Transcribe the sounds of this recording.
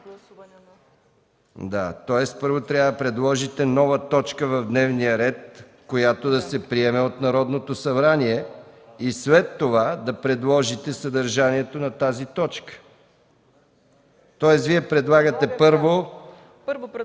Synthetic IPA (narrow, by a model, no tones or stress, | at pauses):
d̪at̪ɔjɛspɤɾvot̪ɾʲavd̪ɐpɾɛd̪lˠɔʒit̪ɛnɔvət̪ɔt͡ʃkəvɐvd̪nɛvnijəɾɛt̪̚ | kojat̪od̪ɐsɛpɾiɛmɛot̪nɐɾɔd̪not̪osɐbɾaniɛislɛt̪ːovad̪ɐpɾɛd̪lˠɔʒit̪ɛsɐd̪ɐɾʒaniɛt̪onɐt̪azit̪ɔt͡ʃkə̥ | t̪ɔjɛsviɛpɾɛd̪lˠaɡət̪ɛpɤɾvo